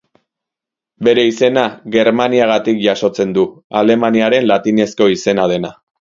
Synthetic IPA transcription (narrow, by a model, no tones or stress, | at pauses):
be̞ɾe̞ise̞naɣe̞ɾmaniaɣ̞at̪ikʝaso̞t͡se̞nd̪uale̞maniaɾe̞nlat̪ine̞sko̞ise̞nað̞e̞na